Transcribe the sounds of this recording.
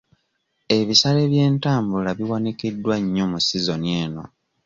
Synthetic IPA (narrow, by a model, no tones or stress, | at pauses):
e̞βisale̞βje̞ːntaːmbulaβiwanikidːwaɲːo̞musizo̞nie̞ːno̞